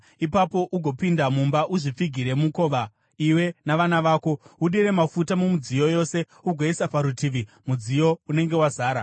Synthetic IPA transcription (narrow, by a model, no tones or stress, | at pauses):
ipapo̞ʔuɡʱo̞pindamumbaʔuʐip͡fiɡʱiɾe̞muko̞ʋa | iwe̞naʋanaʋaːko̞uɗiɾe̞mafutamumud͡zijo̞jo̞se̞ | uɡʱoisapaɾutiʋi | mud͡zijo̞une̞ŋɡe̞wazaːɾa